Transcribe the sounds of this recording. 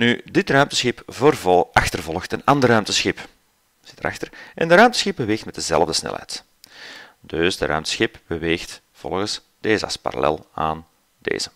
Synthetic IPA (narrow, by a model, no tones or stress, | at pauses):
nydɪtrœɥmtə̥sxɪpvərvɑxtərvɔlˠəxtənɑndərœɥmtəsxɪp | z̥ɪ̥təɾɑ̰xtərʔɛ̰ndəɾœɥmtəsxɪb̚bəʋeːxtmɛt̚dəzɛ̰lˠəvdəsnɛ̰lɦɛ̰jt | d̥ɵsdəɾœ̰ɥmtə̥sxɪpb̥əʋeːxt | v̥ɔ̰lˠɣəs | d̥eːzəɑ̰spa̰ɾa̰lɛ̰lˠaːn | d̥ḛːzə